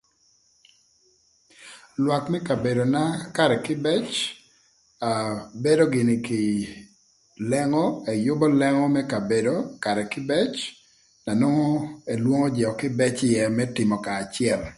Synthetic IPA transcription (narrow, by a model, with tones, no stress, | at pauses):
lwa˨kmɛ˦ka˨be˨do˨na˦ka˦ɾɛ˨kɪ˦bɛ˦t͡ʃ | a˨be˦do˦ɡɪ˨nɪ˨kɪ˨ | lɛ˦ŋɔ˦ɛ˨jʊ˦bɔ˦lɛ˦ŋɔ˦mɛ˦ka˨be˨do˨ka˨ɾɛ˨kɪ˦bɛ˦t͡ʃ | na˨no˦ŋo˦e˨lwo˦ŋo˦d͡ʒɛ˨ɔ˨kɪ˦bɛ˦t͡ʃɪ˦jɛ˦mɛ˦tɪ˨mɔ˨kaː˨t͡ʃɪɛ˨l